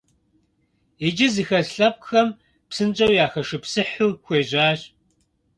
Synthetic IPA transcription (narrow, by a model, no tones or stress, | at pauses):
ed͡ʒɪzixɐɬɐp̚xɐm | psɨnt͡ʃʼɐwjaːxɐʂɨpsɨħuːxʷeːʑaːɕ